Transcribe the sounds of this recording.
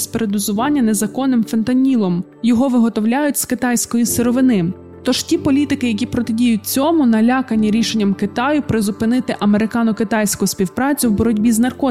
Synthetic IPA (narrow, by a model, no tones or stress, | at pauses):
sʲpeɾed̪ʊzʊʋɑnʲːɐne̞zɐkɔnːɪmfent̪ɐnʲilˠɔm | jɔɦɔʋɪɦɔt̪ɔwlʲajʊtʲskɪt̪ɑjsʲkɔjiseɾɔʋɪnɪ | t̪ɔʒ̥tʲipɔlʲit̪ɪkɪjɐkʲipɾɔt̪ɪdʲijʊt̚ʲt͡sʲɔmʊnɐlʲakɐnʲːiɾʲiʃenʲːɐmkɪt̪ɑjʊpɾɪzʊpɪnɪt̪ɪʔɐmeɾɪkɑnʊkɪt̪ɑjsʲkʊsʲpʲiwpɾɑt͡sʲʊwbɔɾɔdʲbʲiznɐrkɔ